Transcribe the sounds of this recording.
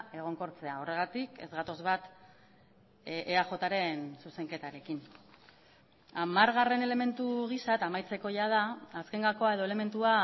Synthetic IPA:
e̞ɣ̞o̞ŋko̞ɾt͡se̞ao̞re̞ɣ̞at̪ike̞̰zɣat̪o̞zβat̪ | ʔeaxo̞t̪aɾe̞nsuse̞ŋke̞t̪aɾe̞kin | amaɾɣare̞ne̞le̞me̞nt̪uɣ̞isat̪amajt͡se̞ko̞ʝað̞aːske̞ŋɡako̞ae̞ð̞o̞e̞le̞me̞nt̪ua

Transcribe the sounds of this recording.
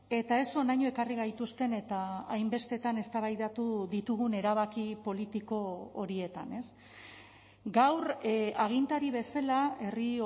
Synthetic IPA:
e̞t̪ae̞so̞najɲoe̞kariɣajt̪ust̪e̞ne̞t̪aːjmbe̞st̪e̞t̪ane̞st̪aβajðat̪uðit̪uɣune̞ɾaβ̞akipo̞lit̪iko̞oɾie̞t̪a̰ne̞s | ɡawraɣ̞int̪aɾiβ̞e̞salae̞ri

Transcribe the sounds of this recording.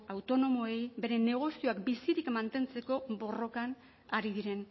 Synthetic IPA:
awt̪o̞no̞mo̞ejbe̞ɾe̞ne̞ɣ̞o̞sio̞akbisiɾikmant̪e̞nt͡se̞ko̞bo̞ro̞kan | aɾiðiɾe̞n

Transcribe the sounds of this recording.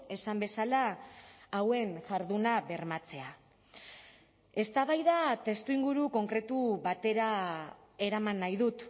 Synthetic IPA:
e̞sambe̞salaː | we̞nʝaɾðunaβe̞ɾmat͡se̞a | e̞st̪aβajðat̪e̞st̪uiŋɡuɾuko̞ŋkɾe̞t̪uβat̪e̞ɾa | e̞ɾamanːajðut̪

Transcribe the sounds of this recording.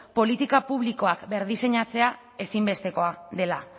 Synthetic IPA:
po̞lit̪ikapuβ̞liko̞akbe̞ɾðise̞ɲat͡se̞a | e̞simbe̞st̪e̞ko̞aðe̞la

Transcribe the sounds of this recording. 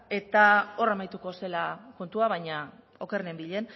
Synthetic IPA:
e̞t̪ao̞ramajt̪uko̞se̞lako̞nt̪uaβajɲa | o̞ke̞rnembiʎe̞n

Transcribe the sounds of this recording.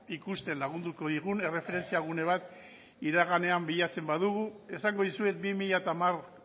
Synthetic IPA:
ikust̪e̞nlaɣ̞und̪uko̞ðiɣune̞re̞fe̞ɾe̞nt͡siaɣ̞une̞β̞at̪ | iɾaɣane̞ambiʎat͡se̞mbaðuɣue̞saŋɡo̞ðisue̞t̪̚bimiʎat̪amar

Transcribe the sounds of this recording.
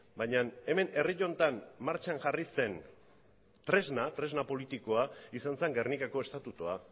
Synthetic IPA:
bajɲane̞me̞ne̞riʎo̞nt̪anmaɾt͡ʃanʝarise̞n | t̪ɾe̞znat̪ɾe̞znapo̞lit̪ikoaisanse̞ŋɡernikako̞e̞st̪at̪ut̪ua

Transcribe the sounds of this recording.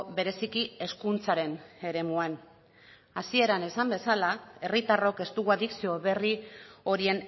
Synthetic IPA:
βe̞ɾe̞sikie̞skunt͡saɾe̞ne̞ɾe̞muan | asie̞ɾane̞sambe̞salae̞rit̪aro̞ke̞st̪uɣuaðiksio̞βe̞rio̞ɾie̞n

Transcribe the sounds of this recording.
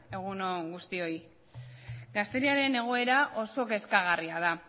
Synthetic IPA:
e̞ɣ̞unoɡust̪io̞j | ɡast̪e̞ɾiaɾe̞ne̞ɣ̞o̞e̞ɾaʔo̞so̞ke̞skaɣ̞ariað̞a

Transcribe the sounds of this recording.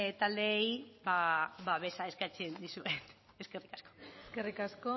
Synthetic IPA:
t̪ald̪e̞jbaβaβe̞sae̞skat͡send̪isue̞t̪ | eske̞rikḁsko̞̥eskerikasko

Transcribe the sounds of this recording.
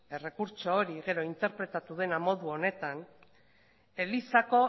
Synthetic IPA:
e̞re̞kuɾt͡ʃo̞ːɾiɣe̞ɾo̞int̪e̞ɾpɾe̞t̪at̪uðe̞namo̞ðuo̞ne̞t̪an | e̞lisako̞

